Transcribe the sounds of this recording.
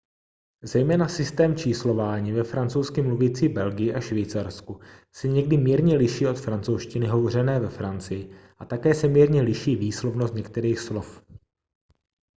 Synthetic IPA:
zɛjmɛːnasɪst̪ɛːmt͡ʃiːslo̞vaːɲiːvɛfɾant͡sowskɪmluviːt͡siːbɛlɡɪjɪʔaʃviːt͡saɾskusɛɲɛɡdɪmiːɾɲɛlɪʃiːo̞t̪fɾant͡sowʃcɪnɪɦo̞vor̝ɛnɛːvɛfɾant͡sɪjɪʔat̪akɛːsɛmiːɾɲɛlɪʃiːviːslovnost̪ɲɛkt̪ɛɾiːxslo̞f

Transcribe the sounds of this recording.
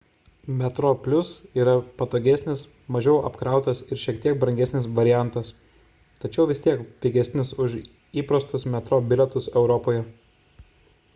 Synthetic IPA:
mʲɛt̪ɾoːpʲlʲʊsiːɾɐpɐt̪oːɡʲɛsʲnʲɪs | mɐʒʲɛʊʔɐ̰pkɾɑˑʊt̪ɐsɪɾʃʲiɛkt̪ʲiɛk̚bɾɐŋʲɡʲɛsʲnʲɪsʋɐɾʲɪjæˑnt̪ɐs | t̪ɐt͡ʃʲɛʊʋʲɪst̪ʲiɛkpʲɪɡʲɛsʲnʲɪsʊʃ | iːpɾɐst̪ʊsmʲɛt̪ɾoːbʲɪlʲɛt̪ʊsɛʊɾɔpoːjɛ

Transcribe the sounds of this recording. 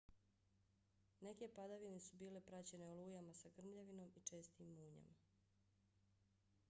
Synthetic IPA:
ne̞ke̞pad̪aʋine̞subiːle̞pɾat͡ɕe̞ne̞oluːjamasaɡr̩mʎeʋino̞mit͡ʃe̞ːst̪iːmːuːɲa̰ma

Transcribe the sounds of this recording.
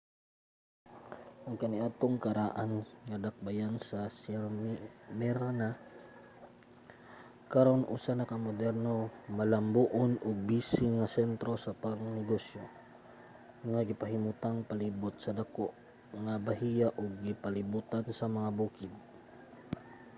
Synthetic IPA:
ʔɐŋkɐnɪʔat̪oŋkɐɾaʔanŋɐd̪ak̚bajansɐsɛɾmɛɾana | kaɾonʔṵsanɐkamod̪ɛɾnomɐlɐmbuʔonʔoɡ̚biːsɪŋɐsɛnt̪ɾo̞sɐpaɡnɪɡosjo | ŋaɡɪpɐɦɪmut̪aŋpɐlibot̪̚sɐd̪akoʔ | ŋabɐɦijaʔoɡ̚ːɪpɐlɪbuːt̪ansɐmɐŋabuːkɪd̪̚

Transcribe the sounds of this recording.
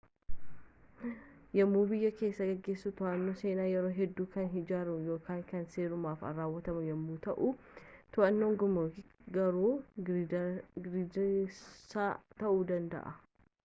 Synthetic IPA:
jɐmːuːbɪjːɐke̞ːsːɐɡɐɡːeːsːut̪ʊʔɐnːoːse̞ːnaːjɛɾoːɦɛd̪ːuːkɐnɦɪd͡ʒaːɾɐjo̞ːkaːŋkɐnseːɾʊmaːfɐ̰ɾaːwːɐt̪ɐmʊjɐmːuːt̪ɐʔu | t̪ʊʔɐnːoːŋɡʊmoɡɐɾuː | ɡɾɪdsaːt̪ɐʔuːd̪ɐnd̪ɐ̰ʔɐ

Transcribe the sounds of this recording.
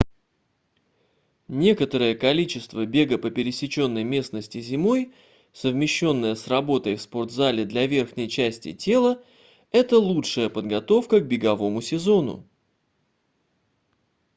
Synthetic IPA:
nʲe̞kət̪əɾɨjəkɐlʲit͡ɕɪst̪vəbʲe̞ɡəpəpʲɪɾʲɪsʲɪt͡ɕo̞nːəjmʲe̞snəsʲtʲɪzʲɪmo̞j | səvmʲɪɕːo̞nːəjəsrɐbo̞t̪əjfspo̞rd̪zalʲɪd̪lʲɐvʲe̞rxnʲɪjt͡ɕæsʲtʲɪ̰tʲe̞lˠə | ɛt̪əlˠutʂɨjəpəd̪ɡɐt̪o̞fkəɡ̚bʲɪɡɐvo̞mʊsʲɪzo̞nʊ̰

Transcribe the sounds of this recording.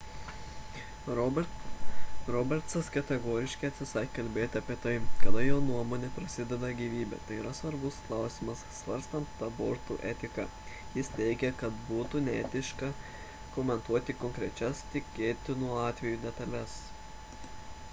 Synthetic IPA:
ɾɔbʲɛɾt̪sɐskʲɛt̪ʲɛɡoːɾʲɪʃʲkʲɐɪɐt̪ʲsʲɪsɐɪkʲkɐlʲbʲeːt̪ʲɐpʲiɛt̪ɐɪɡɐd̪ɐjoːnuɔmoːnʲeːpɾɐsʲɪd̪ʲɛd̪ɐɡʲiːʋʲiːbʲḛt̪ɐɪiːɾɐsʋɐɾbʊsklˠɑˑʊsʲɪmɐsːʋɐɾʲst̪ɐnt̪ːɐboːɾt̪uːʔɛt̪ʲɪkɑ | jɪst̪ʲɛɪɡʲɛkɐt̪buːt̪unʲɛɛt̪ʲɪʃkɐ | kɔmʲɛnt̪uɔt̪ʲɪkɔŋʲkɾʲɛt͡ʃʲɛst̪ʲɪkʲeːt̪ʲɪnuɑːt̪ʲʋʲɛjuːd̪ʲɛt̪ɐlʲɛs

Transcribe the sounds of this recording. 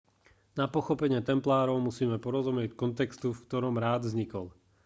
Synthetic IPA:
napɔxɔpɛɲɪɛt̪ɛmplaːɾɔʊmusiːmɛpɔɾɔzumɪɛckɔnt̪ɛkst̪ufkt̪ɔɾɔmɾaːd̪vzɲikɔ̰l

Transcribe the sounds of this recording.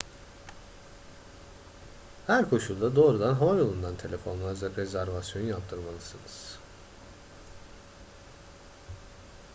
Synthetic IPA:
hæɾkʰo̞ʃulˠd̪ad̪o̞ːɾud̪anɦavajo̞lˠund̪ant̪ʰe̞lʲe̞fo̞nlˠazvɛɾezæɾvasjo̞nujap̚t̪ʰɯɾmalˠɯsɯnɯz̥

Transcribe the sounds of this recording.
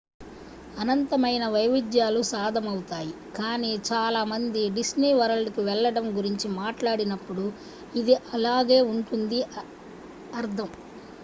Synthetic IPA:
ɐnɐnt̪ɐmɐjnɐʋɐjʋid̪jaːlusaːd̪ʱɐmɐwut̪aːji | kaːniːt͡ʃaːlaːmɐnd̪iɖisniːʋɐɾɐlkiʋɛɭːɐɽɐmɡuɾiɲt͡ʃimaːʈlaːɽinɐpːuɽu | id̪iʔɐlaːɡe̞ːuɳʈund̪i | ɐɾd̪ʱɐm

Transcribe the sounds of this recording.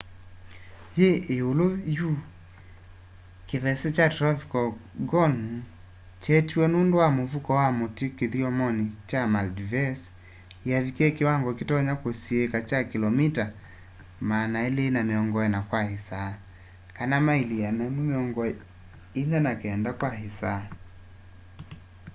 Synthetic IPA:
jeʔeoloju | kevɛset͡ʃatɾɔvikɔɡɔn | t͡ʃɛtiwɛnundowamovukɔwamotikeðiɔmɔnit͡ʃamaldivɛs | ijavikiɛkiwaŋɡɔkitɔɲakosiɛkat͡ʃakilɔmita | maːnaɛleːnamiɔŋɡɔɛnakwahisa | kanamailijanamumeɔŋɡɔ | inɛnakɛɛndakwaɦisa

